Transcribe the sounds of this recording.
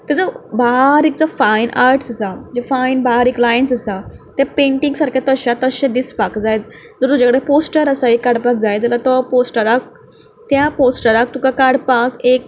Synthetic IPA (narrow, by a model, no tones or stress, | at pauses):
t̪əd͡zəbaɦɾek̚d͡zɔfainʔaɾʈsasad͡ʑefajnbaɦɾeklajensasat̪japẽɳʈiŋɡsaɾkʰat̪əɕat̪əɕɛ̃d̪ispakd͡zajt̪ | d͡zɔɾt̪ud͡ʑakəɽeposʈəɾasaekːaɽpak̚d͡zajt̪alat̪ɔposʈəɾak̚ | t̪japosʈəɾak̚t̪ukakaɽpakek̚